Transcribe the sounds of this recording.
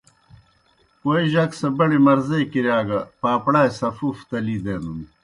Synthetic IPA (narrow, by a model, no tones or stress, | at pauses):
kojʑɐksɐbɐɽimɐɾzejkiɾjaːɡɐpaːpɽaːjsɐfuft̪ɐlid̪enun